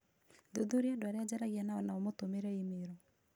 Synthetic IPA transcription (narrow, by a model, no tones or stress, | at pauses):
doðoɾiadoaɾead͡ʑaɾaɣianaɔnaomotomeɾɛimeɾɔ